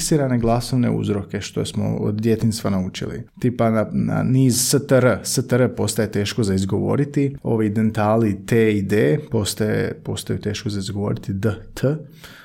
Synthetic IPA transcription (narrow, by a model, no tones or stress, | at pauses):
siːɾane̞ɡlˠaso̞ʋne̞̰ṵzɾo̞ke̞ʃt̪o̞̰jesmo̞̰o̰d̪d̪je̞t̪inst̪ʋanaut͡ʃḭlḭt̪ipanana̰niːzsət̪əɾəsət̪əɾəpo̞st̪aje̞t̪e̞ːʃkozaizɡo̞ʋo̞̰ːɾit̪io̞̰ʋid̪ent̪aːlit̪eid̪epo̞st̪ajḛpo̞̰st̪ajut̪e̞ːʃkozaizɡoʋo̞̰ːɾit̪id̪ət̪ʰə